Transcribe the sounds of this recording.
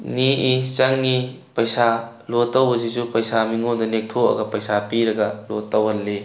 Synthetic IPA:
niʔit͡ʃɐŋni | pɐjsa | lotːɐwbɐsizupɐjsamiŋondɐnek̚tʰoɐ̰ɡɐpɐjsapiɾɐɡɐlotːɐwhɐlːe

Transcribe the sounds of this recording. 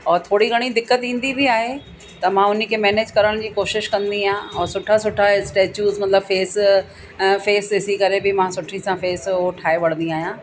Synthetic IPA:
ɔːɾt̪ʰoːɽiɡʱɐɽ̃id̪ɪkːət̪ĩːn̆d̪ibɪaːɦe | t̪ɐmãːʊnə̆kʰeːmɛːneːd͡ʑkɐɾəɽ̃d͡ʑiːkoːʃɪʃkɐ̃nd̪iãɔːɾsʊʈʰasʊʈʰasʈeːt͡ɕuːzmɐt̪ləbfeːs | feːsɪsikɐɾebɪmãːsʊʈʰisãfeːsoʈʰaːeʋɐɽə̃nd̪iaːɦijãː

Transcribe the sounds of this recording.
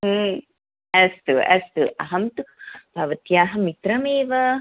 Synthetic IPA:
ɛst̪uɛ̰st̪uʔɐɦɐmt̪upɐʋət̪jaːɦɐmit̪ɾɐmeːʋə

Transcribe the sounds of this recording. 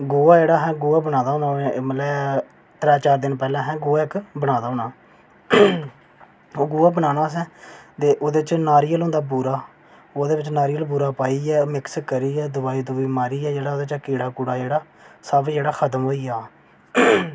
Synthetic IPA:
ɡoːaːd͡ʒeːɽaːɦɛ̃ːɡuːaːbənaːd̪ãːnãːmət̪lɛː | t̪ɾɛːt͡ʃaːɾd̪ɪnpɛːlãːɦɛ̃ːɡoːaːɪkbəɽaːd̪aːɦoːnaː | oːɡuːaːbənaːnaːs̬ɛ̃ːt̪eːʔoːd̪eːt͡ʃnaːɾiːəlɦõːnd̪aːp̬uːɾaː | oːd̪eːʋɪt͡ʃnaːɾiːəlpuːɾaːpaːiːɛːmɪkskəɾiːɛːd̪ʊbaːiːt̪õːʋiːmaːɾiːɛːd͡ʒeːɽaːoːd̪eːt͡ʃːkeːɽaːkuːɽaːd͡ʒeːɽaːsaːbd͡ʒeːɽaːkʰət̪əmɦoːiːaː

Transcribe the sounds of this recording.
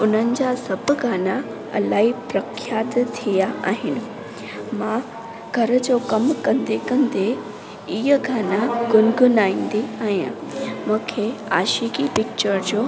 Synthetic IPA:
ʊn̤ənɪ̆d͡ʑaːsɐbʱʊɡaːna | ɐ̰laːɦipɾɐkʰjaːt̪t̪ʰijaʔa̰ːɦɪnɪ̆ | mã | ɡʱɐɾə̆d͡ʑoːkɐmkɐ̃nd̪ekɐ̃nd̪e | iɦəɡaːnaɡʊnɡʱʊnaːĩːn̆d̪eaːɦijã̰mũːkʰeaːʃiːkipɪk̚t͡ɕəɾd͡ʑoː

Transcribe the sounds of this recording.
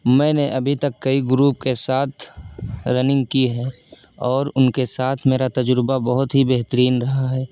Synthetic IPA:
mɛ̃ːneʔɐbʱit̪əkːəiɡɾuːp̚kesaːt̪ʰɾənɪ̃ŋɡ̚kiɦɛː | ɔːɾʊnkesaːt̪ʰmeːɾat̪ɐd͡ʒɾbabəɦʊt̪ɦibeɦt̪əɾiːnɾɐɦaɦɛː

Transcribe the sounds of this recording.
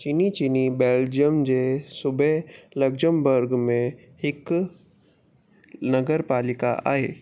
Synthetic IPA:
t͡ʃinit͡ʃinibeːld͡ʒijəmd͡ʒesʊbʱɛləɡd͡ʒəmbəɾɡmẽ | hɪk | nɐɡəɾpaːlɪka̰ʔa̰ːeː

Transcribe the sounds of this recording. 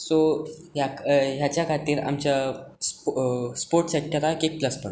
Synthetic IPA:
so | ɦjakɦjat͡ɕjakʰat̪iːɾa̰mt͡ɕa | spoɾʈɕəkʰːjaɾakek̚ləspəɳ

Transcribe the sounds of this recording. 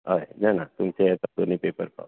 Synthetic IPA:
ɦajnanat̪umt͡ɕeɛt̪ad̪onipepəɾpa̰w

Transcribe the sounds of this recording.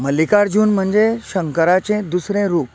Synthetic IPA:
m̤əlikaɾd͡ʑuːnm̤əɳd͡zeɕəŋkəɾat͡ɕẽd̪usɾẽɾuːp̚

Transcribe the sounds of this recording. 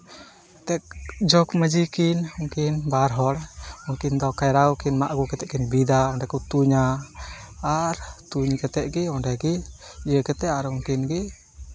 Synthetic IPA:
t̪ɛk̚d͡ʒɔkməd͡ʒikinɔŋkinbaɾɦɔɽɔŋkind̪ɔkajɾaukinmaʔɡukɛt̪ɛʔkinbid̪aɔndɛkut̪uɲa | aɾt̪uɲkɛt̪ɛʔɡiɔnɖɛɡijəkɛt̪ɛaɾɔŋkinɡi

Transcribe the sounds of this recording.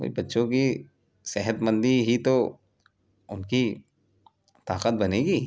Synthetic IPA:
ko̰ːḭbɐtːʃõki | sɛɦət̪mə̃nd̪iɦit̪o | ʊnki | t̪aːqət̪̚bɐneːɡiː

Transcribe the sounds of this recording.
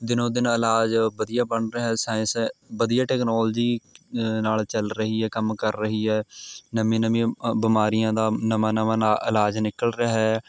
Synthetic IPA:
d̪ɪnõːd̪ɪnɪlaːd͡ʒbəd̪ijaːbəɳɾəɛːsaːɪ̃sbəd̪ijaːʈɛːknoːld͡ʒiːnaːlt͡ʃəlɾəɦiːɦɛːkəmkəɾːəɦiːɦɛːnəmĩːnəmĩːbɪmaːɾɪjãːd̪aːnəmãːnəmãːnaʔɪlaːd͡ʒnɪkəlɾəɦɛː

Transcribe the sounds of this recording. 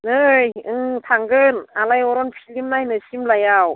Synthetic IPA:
nɯjɯŋt̪ʰaŋɡɯnalajɔɾɔnpʰilimnajnɯsimlajaw

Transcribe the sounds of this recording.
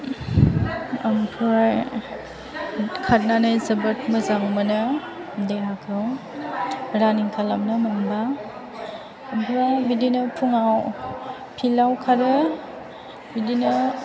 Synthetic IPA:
ampʰɾaj | kʰat̚nanɯjzɐbɯt̚məzaŋmanɯ | deɦakʰɯw | ɾaniŋkʰalamnɯmanba | bɾabidinɯpʰuŋaw | pʰilawkʰaɾɯ | bidinɯ

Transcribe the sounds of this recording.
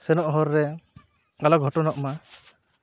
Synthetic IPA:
sɛnɔʔɦɔɾːɛ | alɔɡʱɔʈɔnɔʔma

